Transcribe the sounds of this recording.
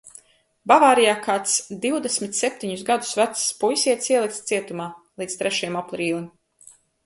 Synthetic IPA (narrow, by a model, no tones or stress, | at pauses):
bavaːɾijaːkaːt̪sd̪iwd̪esmit̪sep̚ʲt̪iɲusɡad̪u̥svæt̪sspujsʲiɛt̪siɛlˠik̚t̪st̪siɛt̪umaːlˠiːt̪st̪ɾɛʃajɛmaplˠɾiːlˠim